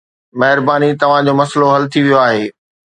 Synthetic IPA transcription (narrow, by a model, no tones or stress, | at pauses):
mɐɦɪɾbaːnit̪ɐʋ̤ãd͡ʑoːmɐsloɦɐlt̪ʰiʋijoaːɦeː